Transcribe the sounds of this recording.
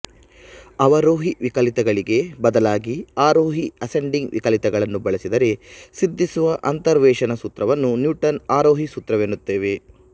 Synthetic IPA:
ɐʋɐɾoːɦiʋikɐlit̪ɐɡɐɭiɡe̞bɐd̪ɐlaːɡiaːɾoːɦiɐseɳɖiŋɡʋḭkɐlit̪ɛɡɐɭɐnːubɐɭɐsid̪ɐɾe̞sid̪ʱːisuʋɐʔɐnt̪ɐɾʋɛːʃɐnɐsut̪ɾɐʋɐnːunjuːʈɐnaːɾoːɦisut̪ɾɐʋeːnːut̪ːe̞ːʋe̞

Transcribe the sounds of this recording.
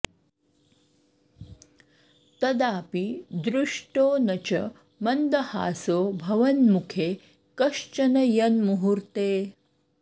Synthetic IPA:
t̪ɐd̪aːpid̪ɾuʂʈoːnɐt͡ʃɐ̰ | mɐnd̪ɐha̰ːsoːbʱɐʋɐnmukʰeː | kɐʂt͡ʃɐnɐjɐnmuɦuɾt̪eː

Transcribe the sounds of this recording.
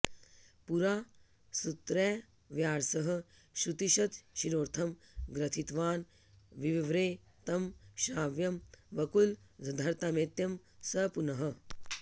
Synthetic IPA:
puɾaː | sut̪ɾɛː | ʋjaːɾsɐɦɐ̆ | ʃɾut̪iʃɐt̪ʃiɾoːɾt̪ʰɐmɡɾɐt̪ʰit̪ʋaːn | ʋiʋiʋɾeː | t̪ɐmʃaːʋjɐmʋɐkul | zɐd̪ʱɐɾt̪aːmeːt̪jɐm | sɐpunɐɦɐ

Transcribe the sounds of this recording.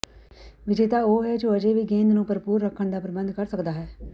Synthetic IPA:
ʋɪd͡ʒeːt̪aːoːɦɛːd͡ʒoəd͡ʒeːʋiːɡẽːnd̪nũːpəɾəpuːɾːəkʰːəɳd̪aːpɾəbə̃nd̪kəɾsəkd̪aːɦɛː

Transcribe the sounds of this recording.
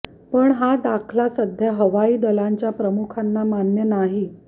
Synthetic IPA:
pəɳɦad̪akʰlasəd̪ʱjaɦəʋaiːd̪əlaɲt͡ɕjapɾəmukʰanːamanjənaɦi

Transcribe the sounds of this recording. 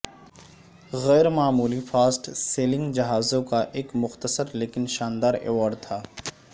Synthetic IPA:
ɣɛːɾmaːmuːlifaːsʈseːlɪ̃ŋɡd͡ʒɐɦaːzõkaʔeːkmʊxt̪əsəɾleːkɪnʃaːnd̪aːɾḛːʋaːɾɖ̚t̪ʰaː

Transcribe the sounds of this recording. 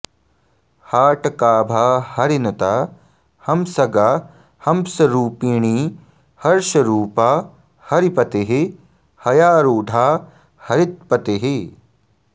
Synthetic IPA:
haːʈɐkaːbʱaːhɐɾinut̪a | hɐmsɐɡaː | hɐmsɐɾuːpiːɳiː | hɐɾʃɐɾuːpaː | hɐɾipɐt̪eɦi | hɐjaːɾuːɖʱaː | hɐɾit̪̚pɐt̪eɦi

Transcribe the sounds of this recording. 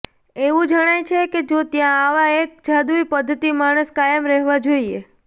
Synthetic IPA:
eʋũd͡ʒəɽ̃ajt͡ʃʰeked͡ʒot̪jãːʋaek̚d͡ʒad̪uipəd̪ʱːət̪imaɽ̃əskajəmɾɛɦʋad͡ʒoie

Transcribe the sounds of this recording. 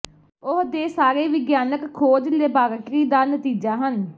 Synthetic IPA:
ʊɦd̪eːsaːɾeːʋɪɡjaːnəkʰːoːd͡ʒleːbaːɾəkɾiːd̪aːnət̪iːd͡ʒaːɦən

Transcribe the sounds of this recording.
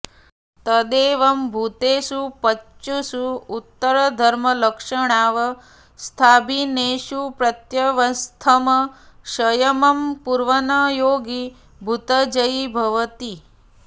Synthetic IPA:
t̪ɐd̪eːʋɐmbʱut̪eːsupɐt͡ʃt͡ʃːusuut̪ːɐɾɐd̪ʱɐɾmɐlɐkʂɐɳaːʋɐ | st̪ʰaːbineːʃupɾɐt̪jɐʋɐst̪ʰɐmɐʃɐjɐmɐmpuɾʋɐnajoːɡi | bʱut̪ɐd͡ʒɐjbʱɐʋɐt̪i

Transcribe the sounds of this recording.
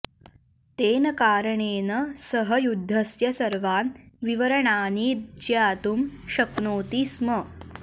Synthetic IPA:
t̪eːnəkaːɾəɳeːnəsəɦəjud̪ʱːəsjɐsɐɾʋaːnʋiʋəɾəɳaːniɾd͡ʒɐaaːt̪umɕɐknoːt̪ismə

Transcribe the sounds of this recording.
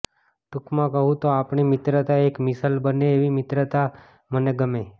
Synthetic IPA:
t̪ukʰmãkəɦũt̪oapɳimɪt̪ɾət̪aekmɪsəlbəneːʋimɪt̪ɾət̪a | məneɡəme

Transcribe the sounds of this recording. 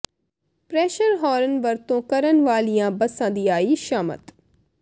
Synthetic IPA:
pɾɛːʃəɾɦɔːɾənʋəɾt̪õːkəɾənʋaːlijãːbəsãːd̪iːaːiːʃaːmə̰t̪

